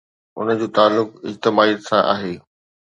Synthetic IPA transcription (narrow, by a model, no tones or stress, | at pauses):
ʊ̰nəd͡ʑoːt̪aːlːʊkɪd͡ʑt̪ɪmaːiːd̪sãʔa̰ːɦeː